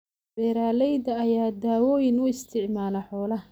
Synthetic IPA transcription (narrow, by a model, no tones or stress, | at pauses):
bɛːɾaːlɛjd̪ɐːjaːd̪aːwɔːjɪnʊɪst̪ʰɪʕmaːlɐħɔːlɐ